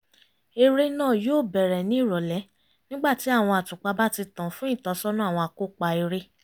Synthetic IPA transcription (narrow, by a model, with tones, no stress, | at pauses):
e˧ɾe˦nãː˦˨joː˦˨bɛ˨ɾɛ˨nĩ˦i˦˨ɾɔ˨lɛ˨˦ | nĩ˦ɡ͡ba˦˨ti˨˦a˦˨w̃ɔ̃˧a˨tũ˨k͡pa˧ba˦ti˧tã˨fũ˦ĩ˦˨ta˧˦sɔ˦nũ˦˨w̃ɔ̃˧a˨ko˦˨k͡pa˧i˧ɾe˦